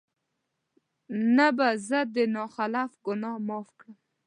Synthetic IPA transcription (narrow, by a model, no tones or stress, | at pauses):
nabazəd̪ənɑxalafɡʊnɑmɑfkɽəm